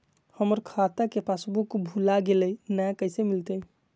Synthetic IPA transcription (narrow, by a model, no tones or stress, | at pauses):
həməɾkʰat̪əkepasbukbʱulaɡelənakəɪsemilt̪ə